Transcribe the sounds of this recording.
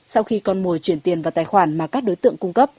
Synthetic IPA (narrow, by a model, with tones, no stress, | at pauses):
sa˧wxi˧kɔ˧nmu˨˩əjt͡ɕwi˧˩ənt̪i˨˩ənva˨˩t̪aː˧˩jxwaː˧˩nmaː˨˩kaː˦˥k̚ɗo˨˦jt̪ɨ̰˧˨əŋkʊ˧ŋ͡mkə˦˥p̚